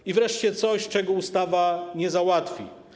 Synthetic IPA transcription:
ivɾɛʂt͡ɕɛt̪sɔɕt͡ʂɛɡɔust̪avaɲɛzawat̪fʲḭ

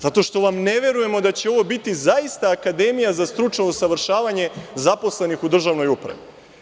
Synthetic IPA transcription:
zat̪o̞ʃt̪o̞ʋamne̞ʋe̞ɾuje̞mo̞d̪at͡ɕe̞o̞ʋo̞bit̪izaist̪aːkad̪e̞mijazast̪ɾut͡ʃnousaʋr̩ʃaːʋaɲe̞zapo̞slˠe̞nixud̪r̩ʒaʋno̞jupɾa̰ʋi

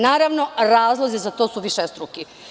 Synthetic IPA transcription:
naːɾaʋno̞ɾaːzlˠozizat̪o̞ːsuʋiʃest̪ɾuki

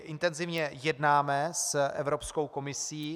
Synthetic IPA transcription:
ʔɪnt̪ɛnzɪvɲɛjɛdnaːmɛsʔɛvɾo̞psko̞wko̞mɪsiː

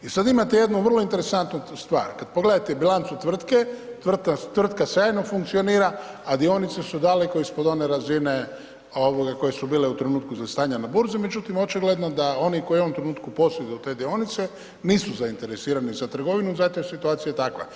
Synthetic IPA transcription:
isad̪imat̪e̞je̞d̪nuʋər̩lo̞int̪eɾesant̪nost̪ʋa̰ːɾkad̪̚poɡle̞d̪at̪ebilant̪sut̪ʋr̩t̪ket̪ʋr̩at̪ʋr̩t̪kasjaːjnofuŋkt̪sio̞niːɾa | ad̪io̞nit̪se̞sud̪aleko̞ispo̞d̪o̞ne̞ɾazine̞ | o̞ʋoɡako̞je̞subiːleut̪ɾenuːt̪kuzast̪aːɲanabuɾzime̞d͡ʒut̪imot͡ʃiɡle̞d̪nod̪ao̞niko̞jio̞ʋomt̪ɾe̞nuːt̪kupo̞sed̪ut̪e̞ːd̪io̞nit̪se | niːsuzaint̪e̞ɾesiːɾanizat̪r̩ɡo̞ʋinuzat̪ojsit̪uaːt̪sijajet̪akʋa̰

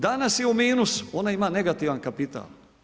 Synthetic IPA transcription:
d̪anasjeumiːnuso̞naimaːne̞ɡat̪iʋankapit̪a̰ːl

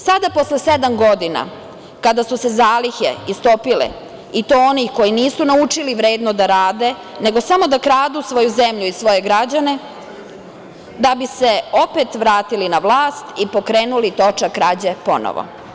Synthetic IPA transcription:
sad̪apo̞slesed̪amɡo̞d̪ina̰ | kad̪asuse̞zaːliçḛist̪o̞pilḛ | it̪ooniko̞jiniːsunaut͡ʃiliʋɾe̞ːd̪nod̪aɾaːd̪e̞ | ne̞ɡo̞samo̞d̪akɾaːd̪usʋo̞juze̞mʎuisʋo̞je̞ɡɾad͡ʑane̞ | d̪abise̞o̞pet̪ʋɾaːt̪ilinaʋlˠaːst̪ipo̞kɾeːnulit̪o̞t͡ʃakɾad͡ʑepo̞̰no̰ʋo̰

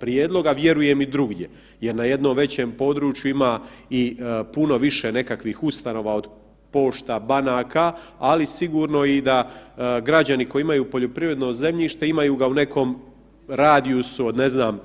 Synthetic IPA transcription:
pɾijeːd̪lˠo̞ɡaʋje̞ɾuje̞mid̪ɾuɡɲe̞ | je̞ɾnaje̞d̪nomʋe̞t͡ɕe̞ːmpo̞d̪ɾuːt͡ʃjuimaipuno̞ʋiʃene̞kakʋiːxust̪ano̞ːʋao̞d̪ | po̞ːʃt̪abanaːkaːlisiɡuːɾno̞id̪aɡɾad͡ʑaniko̞jiimajuːpo̞ʎo̞pɾivɾe̞d̪no̞ze̞mʎiːʃt̪e̞imajuːɡaune̞kʰo̞ːm | ɾaːd̪iusuod̪ne̞znaːm

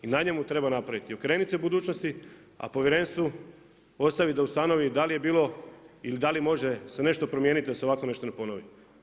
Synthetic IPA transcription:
inaɲe̞mut̪ɾe̞banapɾaʋit̪iokɾe̞ːnit̪se̞bud̪uːt͡ɕno̞st̪i | a̰po̞ʋʲjeɾe̞nst̪ʋu | o̞st̪aʋid̪aust̪ano̞ʋid̪alije̞biːlo̞ilid̪alimo̞ʒe̞se̞ne̞ʃt̪opɾo̞mje̞ːnit̪id̪aseo̞ʋako̞ne̞ʃt̪o̞nepo̞noʋi

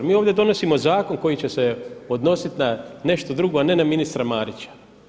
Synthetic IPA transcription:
miːo̞ːʋd̪ʲje̞d̪o̞no̞simo̞zaːko̞nko̞jit͡ɕe̞se̞od̪no̞sit̪nane̞ʃt̪od̪ɾuɡoane̞naminist̪ɾamaːɾit͡ɕḁ

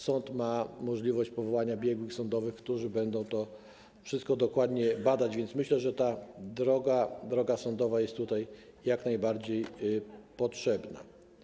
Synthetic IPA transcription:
sɔnt̪mamɔʐlʲivɔɕt͡ɕpɔvɔwaɲabʲjɛɡwɘxsɔnd̪ɔvɘxkt̪uʐɘbɛnd̪ɔ̃w̃t̪ɔ | fʂɘst̪̚kɔd̪ɔkwad̪ɲɛbad̪ad͡ʑvʲjɛnt̪smɘɕlɛʐɛt̪ad̪ɾɔɡad̪ɾɔɡasɔnd̪ɔvajɛst̪ːut̪ajːaknajbaɾd͡ʑejpɔtʂɛbna̰

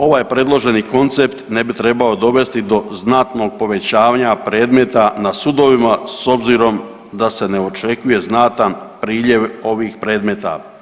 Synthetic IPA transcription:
o̞ʋaːjpɾe̞d̪lˠo̞ʒe̞niko̞nt̪se̞pt̪ne̞bit̪ɾe̞bao̞d̪o̞ʋe̞st̪id̪o̞znat̪no̞ɡ̚po̞ʋe̞t͡ɕaːʋaɲapɾe̞ːd̪me̞t̪anasud̪o̞ʋimaso̞bziːɾo̞m | d̪ase̞ne̞o̞t͡ʃe̞kuje̞znat̪anpɾiːʎje̞ʋo̞ʋiːxpɾe̞ːd̪me̞t̪a̰

